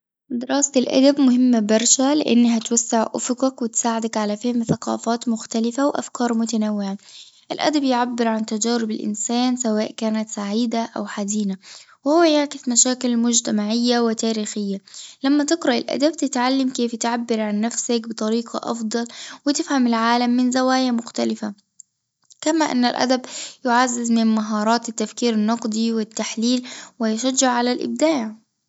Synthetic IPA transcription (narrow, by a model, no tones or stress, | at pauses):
d̪ɪɾˤɑːsɪlʔa̰d̪abmʊhɪmːabɑɾˤʃalɪ̰ʔɪ̰nːɦat̪wasːɪʕʔʊfʊqɑkwɪt̪saːʕɪd̪akʕalafɪhɪmθaqɑ̰ːfɑːt̪mʊxt̪alɪfawʔa̰fkɑːɾˤmʊt̪anawːɪʕa | ʔɪlʔa̰d̪abjɪʕabːɪɾʕant̪ad͡ʒæːɾɪbɪlʔɪ̰nsæːnsawaːʔkaːnat̪saʕiːd̪aʔawħad̪iːna | wɪhʊwːajaʕkɪsmaʃæːkɪlmʊd͡ʒt̪amaʕɪjːawɪt̪aːɾiːxɪjːalamːat̪ɪqɾaʔɪ̰lʔa̰d̪ab̚t̪ɪt̪ʕalːamkeːft̪ʕabːɪɾʕanːafsɪkbɨt̪ˤɑɾiːqʰɑ̰ʔɑ̰fd̪ˤɑlwɪt̪ɪfhamɪlʕaːlamːɪnzawaːjamʊxt̪alɪfa | kamaʔɪ̰nːalʔa̰d̪abjʊʕazːɪzmɪmmaɦɑːɾˤɑːt̪ɪt̪ːafkiːɾɪnːɑqd̪ˤiwɪt̪ːaħliːlwɪjɪʃad͡ʒːɪʕʕalalʔɪ̰b̚d̪aːʕ